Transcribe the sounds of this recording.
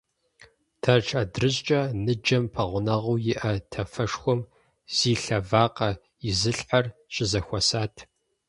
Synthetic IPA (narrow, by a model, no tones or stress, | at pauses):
tʰɐrʈ͡ʂʰʼɐdrɨɕt͡ʃʼɐnɨd͡ʒɐmpʰɐʁʷʊnɐʁuːjɪʔɐtʰɐfɐʂxʷɔm | z̥iːɬɐvaːqɐ | ɪzɨɬħarɕʼɪzɐxʷɔsaːtʰ